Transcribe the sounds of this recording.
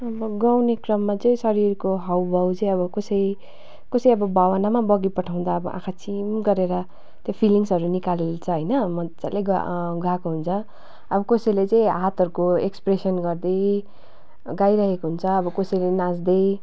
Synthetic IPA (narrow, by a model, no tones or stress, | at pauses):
ʌbʌɡawnekrʌmːat͡sʌĩsʌɾirkoɦawbʱʌwt͡sʌĩʌβʌkosʌj | kosʌjʌbʌbʱawanamabʌɡipʌʈʰaw̃d̪aʌbʌ̰ʔã̰kʰat͡sʰimɡʌɾeɾʌ | t̪jopʰiliŋsʌɾunikalelt͡sʰʌɦʌjnʌmʌt͡sa̰leɡɡakoɦunt͡sʰʌ | ʌbʌkosʌjlet͡sʌ̃ĩɦat̪ʌɾukoekspresʌnɡʌrd̪ʌj | ɡajɾaɦekoɦunt͡sʰʌːbʌkosʌjlenãd͡zd̪ʌj